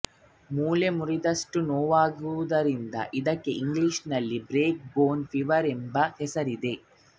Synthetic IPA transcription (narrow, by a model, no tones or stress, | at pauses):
muːlemuɾid̪ɐʂʈunoːʋaːɡuʋud̪ɐɾind̪ɐ̰ʔid̪ɐkːe̞ʔiŋɡliʂnɐlːibɾeːk̚boːnpʰiʋɐɾembɐhɛsɐɾid̪e̞